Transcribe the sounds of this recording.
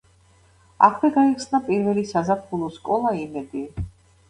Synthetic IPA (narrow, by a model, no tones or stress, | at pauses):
a̰kʰvɛɡaiχsnapʼiɾvɛlisazapʰχulˠɔskʼɔlˠaimɛd̪i